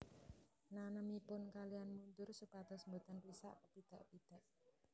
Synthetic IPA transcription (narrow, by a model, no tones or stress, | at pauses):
nanəmipʊnkalianmund̪ʊrsupad̪ɔsəmbut̪anpisa̰ʔkəpid̪̥a̤ʔpid̪̥a̤ʔ